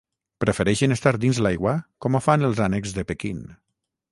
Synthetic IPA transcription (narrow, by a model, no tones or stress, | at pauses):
pɾəfeɾɛʃənest̪aɾd̪inzlajɣwakɔmofanelˠzanekzðepekin